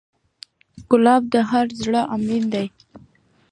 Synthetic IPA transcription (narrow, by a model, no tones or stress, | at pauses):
ɡʊlɑb̚d̪əɦaɾzɽəʔamɾind̪aj